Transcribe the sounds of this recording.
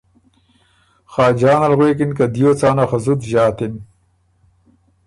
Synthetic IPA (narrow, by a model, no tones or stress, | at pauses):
xaːd͡ʑaːnɐlɣweːk̬inkad̪ijoːt͡saːnaxɐzut̪ʑaːt̪im